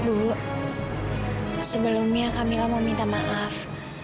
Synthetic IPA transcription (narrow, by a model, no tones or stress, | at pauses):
buʔ | səbəlʊmɲakamilɔmomint̪amaʔaf